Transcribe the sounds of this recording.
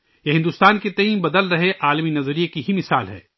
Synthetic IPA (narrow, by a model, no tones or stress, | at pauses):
jeɦɪ̃nd̪ust̪aːnket̪ɐĩːmbɐd̪əlɾɐɦeʔaːlminɐzɾijekiɦimɪsa̰ːlɦɛ̰ː